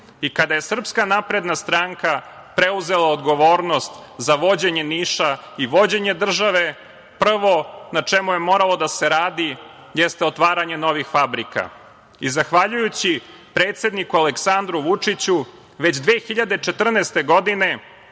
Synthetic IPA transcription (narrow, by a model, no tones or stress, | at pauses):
ikad̪ajesr̩pskanapɾe̞d̪nast̪ɾaŋka | pɾe̞uze̞lˠaod̪ɡo̞ʋoːɾno̞st̪zaʋo̞d͡ʑe̞ɲe̞niːʃaiʋo̞d͡ʑe̞ɲe̞d̪r̩ʒaʋe̞ | pr̩ʋo̞nat͡ʂemuje̞mo̞ːɾalˠod̪ase̞ɾaːd̪i | jɛst̪eo̞t̪ʋaːɾaɲe̞no̞ʋixfabɾika̰ | izaxʋaʎujut͡ɕi | pɾeːt̪se̞d̪nikualeksand̪ɾuʋut͡ʂit͡ɕu | ʋe̞d͡ʑd̪ʋe̞ːxiʎad̪et͡ʂe̞t̪r̩neːst̪e̞ɡo̞d̪ine̞